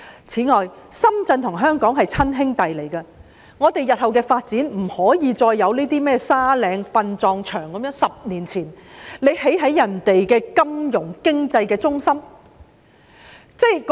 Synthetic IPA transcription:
t͡sʰiː˨˥ŋɔː˨jsɐ˥mt͡sɐ˧nt̪ʰʊ˨˩ŋɦœː˥ŋkɔː˨˥ŋɦɐ˨jt͡sʰɐ˥nɦɪ˥ŋt̪ɐ˨jle˨˩jkɐ˧ | ŋɔː˨˧t̪e˨jːɐ˨t̚hɐ˨wkɛː˧faː˧t̚t͡siː˨˥nm̩˨˩hɔː˨˥jiː˨˧t͡sɔː˧jːɐ˨˧wne˥t̪iː˥mɛː˥saː˥lɛː˨˧ŋpɐ˧nt͡sɔː˧ŋt͡ʃʰœː˨˩ŋkɐ˨˦mjœː˥ŋsɐ˨p̚niː˨˩nt͡sʰiː˨˩nle˨˧jhe˨˥jɦɐ˨˥jːɐ˨˩nt̪e˨jkɛː˧kɐ˥mjʊ˨˩ŋkɪ˥ŋt͡sɐ˧jkɛː˧t͡sʊ˥ŋsɐ˥m | t͡sɛ˥k

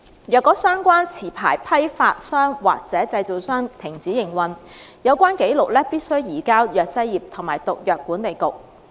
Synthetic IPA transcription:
jœː˨kːɔː˨˥sœː˥ŋkʷaː˥nt͡sʰiː˨˩pʰa̰ː˨˩jpʰɐ˥jfaː˧t̚sœː˥ŋwa̰ː˨k̚t͡sɛː˨˥t͡sɐ˧jt͡so˨˩wsœː˥ŋt̪ʰɪ˨˩ŋt͡siː˨˥jɪ˨˩ŋwɐ˨njɐ˨˧wkʷaː˥nke˨˥jlʊ˨k̚lɛː˥piː˥t̚sɵ˥ɥjiː˨˩kaː˥wjœː˨k̚t͡sɐ˥jjiː˨p̚t̪ʰʊ˨˩ŋmaː˨˩jt̪ʊ˨k̚jœː˨kːuː˨˥nt̪e˨˩jkʊ˨k̚

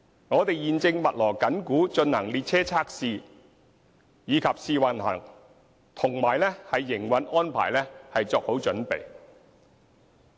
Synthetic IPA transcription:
ŋɔː˨˧t̪e˨jjiː˨nt͡sɪ˧ŋmɐ˨t̚lɔː˨˩kɐ˨˥nkuː˨˥t͡ʃɵ˧nhɐ˨˩ŋliː˨t̚t͡sʰɛː˥t͡sʰaː˥k̚siː˨˧ | jiː˨˧kʰɐ˨p̚siː˨˧wɐ˨nhɐ̰˨˩ŋ | t̪ʰʊ˨˩ŋmaː˨˩jlɛ˥hɐ˨jːɪ˨˩ŋwɐ˨˥nʔɔː˥npʰa̰ː˨˩jlɛː˥hɐ˨jt͡sɔː˧k̚ho˨˥wt͡ʃɵ˨˥npḛ˨j

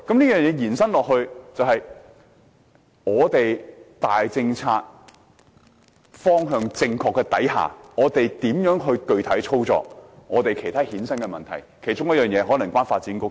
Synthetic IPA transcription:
kɐ˨˥mliː˥jœː˨ŋjɛː˨˧˥jiː˨˩nsɐ˥nlɔː˨k̚hɵ˧ɥt͡sɐ˨whɐ˨j | ŋɔː˨˧t̪e˨jt̪aː˨jt͡sɪ˧ŋt͡sʰaː˧t̚ | fɔː˥ŋɦœː˧ŋt͡sɪ˧ŋkʰɔː˨˧kːɛ˧t̪ɐ˨˥jɦa̰ː˨˩ŋɔː˨˧t̪e˨jt̪iː˨˥mjœː˨˥ŋɦɵ˧kɵ˧ɥt̪ʰɐ˨˥jt͡ʃʰo˥wt͡sɔ̰ː˨k̚ŋɔː˨˧t̪e˨jkʰe˨˩jt̪ʰaː˥hiː˨˥nsɐ˥nkɛ˧mɐ˨nt̪ʰɐ˨˩jkʰe˨˩jt͡ʃʊ˥ŋjɐ˥t̚jœː˨ŋjɛː˨˧ɦɔː˨˥nlɐ˨˩ŋkwaː˥nfaː˧t̚t͡siː˨˥nkʊ˥k

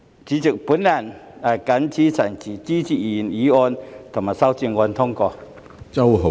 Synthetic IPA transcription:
t͡ɕiː˨˥t͡su˨k̚pu˨˥nla˨˩na˨˩ka˨˧˥nt͡sʰi˦˥t͡sʰa˨˩ŋt͡ɕi˨˩t͡si˥t͡ɕʰi˨i˨˩ni˨˦ɔ˧nt̪ʰʊ˨˩ŋma˨˩sa˧˥wt͡si˧ŋŋɔ˧nt̪ʰʊ˥ŋkɔː˧ | t͡sɐ˥wɦo˨

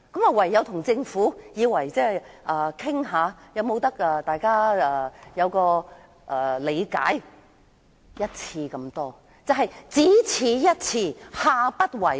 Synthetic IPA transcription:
kɐ˨˥maː˨˩wɐ˨˩jːɐ˨˧wt̪ʰʊ˨˩ŋt͡sɪ˧ŋfuː˨˥jiː˨˧wɐ˨˩jt͡sɛː˥ʔɐː˨˩kʰɪ˥ŋɦaː˨˧jɐ˨˧wmo˨˧wt̪ɐ˥k̚ʔɛː˨˧t̪aː˨jkaː˥ɛ˨˧˩jɐ˨˧wkɔː˧ | ʔɛː˨˩le˨˧jka̰ː˨˥j | jɐ˥t̚t͡sʰiː˧kɐ˧mt̪ɔː˥ | t͡sɐ˨˧wɦɐ˨jt͡siː˨˥t͡sʰiː˨˧jɐ˥t̚t͡sʰiː˧haː˧pɐ˥t̚wɐ˨˩j

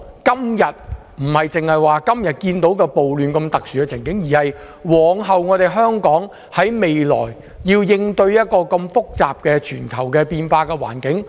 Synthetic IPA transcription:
kɐ˥mjɐ˨t̚ | m̩˨˩hɐ˨jt͡sɪ˨ŋhɐ˨jwaː˨kɐ˥mjɐ˨t̚kiː˧nt̪o˨˥wkɛː˧po˨wlyː˨nkɐ˧mt̪ɐ˨k̚syː˨˩kɛ˧t͡sʰɪ˨˩ŋkɪ˨˥ŋjiː˨˩hɐ˨j | wɔː˨˧ŋɦɐ˨wŋɔː˨˧t̪e˨jɦœː˥ŋkɔː˨˥ŋ | hɐ˨˥jme˨jlɔ̰ː˨˩j | jiː˧wjɪ˧ŋt̪ɵ˧ɥjɐ˥t̚kɔː˧kɐ˧mfʊ˥k̚t͡saː˨p̚kɛː˧t͡ʃʰyː˨˩nkʰɐ˨˩wkɛː˧piː˧nfaː˧kɛː˧wa̰ː˨˩nkɪ˨˥ŋ

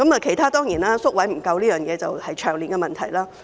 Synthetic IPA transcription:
kɐ˨˥mɐː˨kʰe˨˩jt̪ʰaː˥t̪ɔː˥ŋjiː˨˩naː˥sʊ˥k̚wɐ˨˥jm̩˨˩kɐ˧wliː˥jœː˨ŋjɛː˨˧t͡sɐ˨whɐ˨jt͡ʃʰœː˨˩ŋliː˨˩ŋkɛ˧mɐ˨nt̪ʰɐ˨˩jlaː˥

